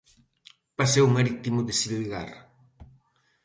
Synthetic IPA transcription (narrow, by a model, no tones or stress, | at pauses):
pasewmaɾit̪imʊðesiliɣa̰r